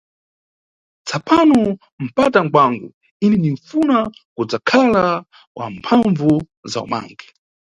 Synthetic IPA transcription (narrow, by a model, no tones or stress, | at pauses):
t͡sʰapanɔ | m̩pataŋ̩ɡwaŋɡṵ | inɛniɱfunakud͡zakʰala | wʔa̰m̩pʰaɱvu | za̰ṵma̰ːŋɡɛ